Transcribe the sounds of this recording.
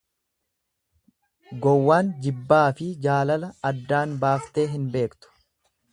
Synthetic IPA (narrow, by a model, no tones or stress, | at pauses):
ɡɔwːaːnd͡ʒɪbːaːfɪd͡ʒaːlɐlɐɐd̪ːaːnbaːft̪e̞ːɦɪnbe̞ːkt̪ʊ̥